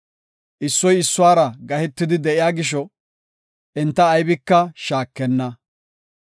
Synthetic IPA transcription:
ʔɪsːɔjɪsːʊwaːɾɐɡɐhɛt̪ːɪd̪ɪd̪ɛʔɪjaːɡɪʃ̬ɔ | ʔɛnt̪ːɐːjbɪkːɐʃaːkːɛnːɐ

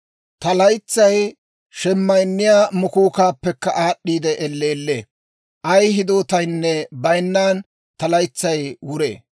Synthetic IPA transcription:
t̪ɐlɐjt͡sːɐj | ʃɛmːɐjnːɪjaːmʊkuːkaːpːɛkːɐʔaːɗːiːd̪ɛʔɛlːeːlːḛː | ʔɐjɦɪd̪oːt̪ɐjnːɛbɐjnːaːn | t̪ɐlɐjt͡sːɐjwʊɾḛː

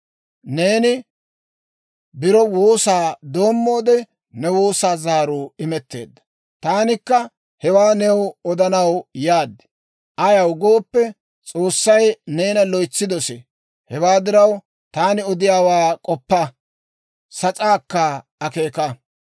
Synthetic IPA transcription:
ne̞ːnɪ | bɪɾɔwoːsaːd̪o̞ːmːo̞ːd̪ɛ | nɛwoːsaːzaːɾʊːɪmɛt̪ːe̞̰ːd̪ːɐ̥ | t̪aːnɪkːɐ | hɛwaːnɛwɔd̪ɐnɐwjaːd̪ːɛ̥ | ʔɐjɐwɡo̞ːpːɛ | t͡sʼo̞ːsːɐjneːnɐlɔjt͡sːɪd̪ɔsɛ | hɛwaːd̪ɪɾɐw | t̪aːnɪɔd̪ɪjaːwaːkʼɔpːɐ | sɐt͡sʼaːkːɐɐkeːkɐ

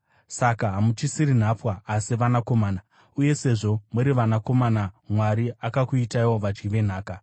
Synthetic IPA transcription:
sakaɦamut͡ʃisiɾin̤apwaːsiʋanako̞maːna | uje̞se̞ʐo̞muɾiʋanako̞manamwaɾiakakuitaiwoʋad͡ʒɡiʋe̞n̤aːka

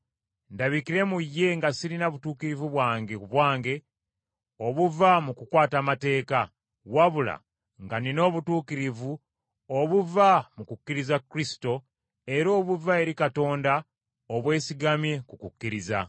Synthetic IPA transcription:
ndaβikiɾe̞mujːe̞ŋɡasiɾinaβutuːkiɾivuβwaːŋɡeβwaːŋɡe̞ | oβuvamukukwaːtamate̞ːka | waβula̰ | ŋɡanino̞ːβutuːkiɾivu | oβuvamukukːiɾizakɾisi̥to̞ | e̞ɾo̞ːβuvae̞ɾikato̞ːnda | oβwe̞ːsiɡamje̞kukukːiɾiza̰

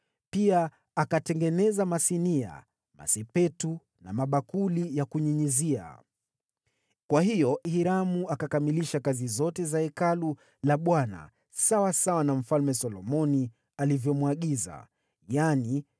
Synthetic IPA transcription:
pia | akatɛŋɡɛnɛzamasinia̰ | ma̰sɛpɛtu | na̰maɓakulijakuɲiɲizia̰ | kwaɦijɔhiɾamuakakamiliʃakazizɔtɛzaɛkalu | laɓwana̰ | sawasawanam̩falmɛsɔlɔmɔni | alivjɔmwaɠiza̰ | jani

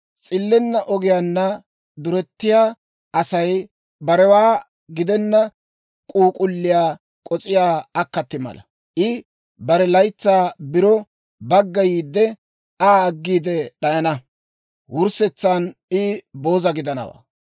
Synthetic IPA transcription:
t͡sʼɪlːɛnːɐʔɔɡɪjaːnːɐ | d̪ʊɾɛt̪ːɪjaː | ɐsɐj | bɐɾɛwaː | ɡɪd̪ɛnːɐ | kʼuːkʼʊlːɪjaː | kʼɔt͡sʼɪjaːɐkːɐt̪ːɪmɐ̰lɐ̰ | ʔɪ | bɐɾɛlɐjt͡sːaːbɪɾɔ | bɐɡːɐjiːd̪ːɛ | aːɡːiːd̪ɛɗɐjɐnɐ | wʊɾsɛt͡sːanɪbo̞ːzɐɡɪd̪ɐnɐ̰wa̰ː

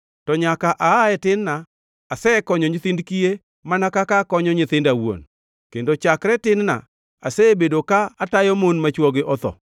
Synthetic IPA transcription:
tɔɲakaʔaaɛtɪnnaː | sɛkɔɲɔɲɪt̪ɪndkije | manakakakɔɲɔɲɪt̪ɪndawo̰n | kendot͡ʃakɾɛtɪnna̰ | a̰sɛbedokaatajɔmonmat͡ʃwɔɡɪʔɔt̪ɔ̰

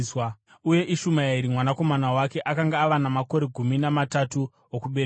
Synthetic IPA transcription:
swa | uje̞ʔiʃumaaiɾimwanako̞manawake̞ʔakaŋɡaːʋanamako̞ɾe̞ɡʱuminamatatu | okuɓeɾ

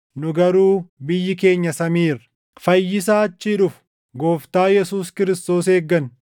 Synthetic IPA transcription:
nʊɡɐɾuːbɪjːɪke̞ːɲːɐsɐmiːr | fɐjːɪsaːɐt͡ʃːiːᶑʊf | ɡo̞ːft̪aːjɛsuːskɪɾɪst̪o̞ːseːɡːɐn

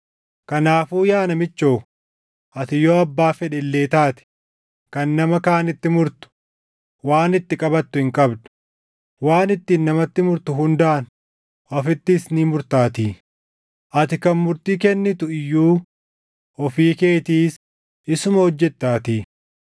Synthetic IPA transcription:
kɐnaːfuːjaːnɐmɪt͡ʃːoː | ʔɐt̪ɪjoːɐbːaːfɛᶑɛlːeːt̪aːt̪ɪ̥ | kɐnːɐmɐkaːnɪt̪ːɪmʊɾt̪ʊ̥ | waːnɪt̪ːɪkʼɐbɐt̪ːʊhɪŋkʼɐbd̪ʊ̥ | waːnɪt̪ːiːnːɐmɐt̪ːɪmʊɾt̪ʊɦʊnd̪aʔɐn | ʔɔfɪt̪ːɪːsniːmʊɾt̪aːt̪iː | ʔɐt̪ɪkɐnmʊɾt̪iːkɛnːɪt̪ʊɪjːuː | ɔfiːke̞ːt̪iːs | ʔɪsʊmɐhɔd͡ʒːɛt̪ːaːt̪iː

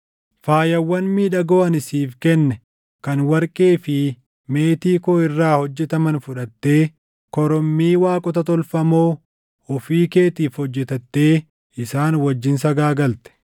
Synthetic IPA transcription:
faːjɐwːɐnmiːᶑɐɡɔːʔɐnɪsiːfkɛnːɛ | kɐnwɐɾkʼe̞ːfɪ | me̞ːt̪iːkoːɪrːaːhɔd͡ʒːɛt̪ɐmɐnfʊᶑɐt̪ːe̞ː | kɔɾɔmːiːwaːkʼɔt̪ɐt̪ɔlfɐmoː | ʊfiːke̞ːt̪iːfhɔd͡ʒːɛt̪ɐt̪ːe̞ː | ɪsaːnwɐd͡ʒːɪnsɐɡaːɡɐlt̪ɛ̥

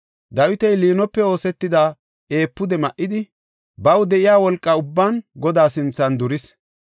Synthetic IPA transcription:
d̪ɐwɪt̪ɛjliːnɔpːɛo̞ːsɛt̪ːɪd̪aː | ʔe̞ːpːʊd̪ɛmɐʔːɪd̪ɪ | bɐwd̪ɛʔɪjaːwɔlkʼːɐʊbːaːnɡɔd̪aːsɪnt͡sːɐnd̪ʊɾɪs

